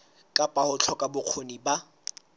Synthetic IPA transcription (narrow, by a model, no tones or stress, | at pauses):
kʼapʼahʊt͡ɬʰɔkʼabʊq͡χʰoniba